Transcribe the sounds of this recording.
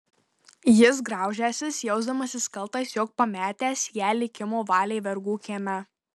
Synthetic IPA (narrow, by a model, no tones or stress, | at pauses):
jɪs̬ɡɾɑˑʊʒʲæːsʲɪsjɛʊzd̪ɐmɐsʲɪskɐlˠt̪ɐsʲjoːk̚pɐmʲæːt̪ʲæːsʲjæːlʲɪkʲɪmoːʋɑːlʲeːʋʲɛɾɡuːkʲeːmʲɛ